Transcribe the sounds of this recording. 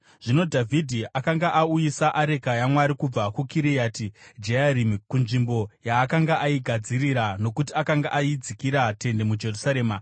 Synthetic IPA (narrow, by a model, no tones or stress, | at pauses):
ʐ̥ino̞dʱavʱidʱiʔakaŋɡaʔaujisaʔaɾe̞kajamwaɾikub͡vakukiɾijaːtid͡ʒeaɾimikunʐimbo̞jaːkaŋɡaʔaiɡʱad͡ziriɾano̞kutiakaŋɡaʔaid͡zikiɾate̞nde̞mud͡ʒe̞rusaɾe̞ːma